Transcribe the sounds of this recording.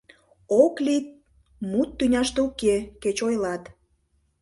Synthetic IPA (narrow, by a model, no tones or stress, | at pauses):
oklit̪̚ | mut̪ːynʲɑʃt̪eukeket͡ɕojlɑt̪